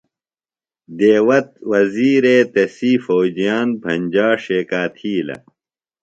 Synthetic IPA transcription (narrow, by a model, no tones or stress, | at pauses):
d̪eːwɐt̪̚wɐziːɾeːt̪ɐsiːfoːd͡ʑijaːnpʰɐnʲd͡ʑaːʂeːkaːt̪ʰiːlɐ̰